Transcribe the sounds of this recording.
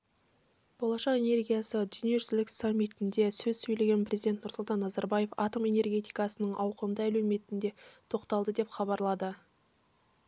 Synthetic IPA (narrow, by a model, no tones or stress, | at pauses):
b̥o̞lˠɑʃɑqe̞ne̞rɡʲijasəd̪ʏnije̞ʒʏzlɪkʲsamʲːit̪ɪnd̪esɵzsɵjle̞ɡʲe̞nprʲʔe̞zid̪et̪nʊɾsʊlˠt̪ɑnːɑzɑɾbaje̞fɑ̰t̪o̞me̞ne̞rɡʲe̞t̪ijkɑsənəɴʔɑwqəmd̪əælɵwme̞t̪ɪnd̪e̞t̪ʰo̞qt̪ɑlˠd̪əd̪e̞pχɑβɑɾlˠɑd̪ə